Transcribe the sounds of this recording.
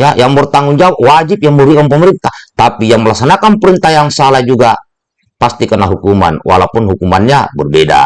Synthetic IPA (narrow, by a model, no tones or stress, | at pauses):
jajaŋbərt̪aŋuŋd͡ʒawaʔwad͡ʒip̚jaŋbəbikanpəməɾint̪aht̪apijaŋməlaksanakanpəɾint̪ajaŋsalahd͡ʒuɡa | past̪ikənaɦukuma̰nwa̰lapunɦukumanɲa̰bərbeda̰